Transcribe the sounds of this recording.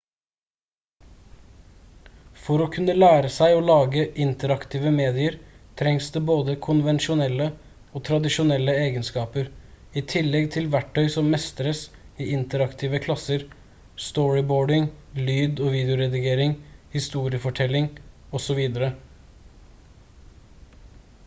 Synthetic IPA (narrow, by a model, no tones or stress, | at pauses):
fɔɾoːkʰʉnːəlæːɾəsæɪoːlɑːɡəʔɪnt̪əɾɑkt̪ʰiːʋəmeːd̪ɪəɾt̪ʰɾɛŋsd̪eːboːd̪əkʰʊnʋɛnʃʊnɛlːə | oːt̪ʰɾɑd̪ɪʃʊnɛlːəeːɡənskɑːpəɾiːt̪ʰɪlːɛɡt̪ʰɪlʋæʈʰːœʏsɔmmɛst̪əɾəsiːɪnt̪əɾɑkt̪ʰiːʋəkʰlɑsəɾ | st̪ɔɹɪboːɖɪŋlyːd̪ɔːʋiːd̪ɛʊɾɛd̪ɪɡeːɾɪŋhɪst̪uːɾɪəfɔʈʰɛlːɪŋɔsɔʋiːd̪əɾə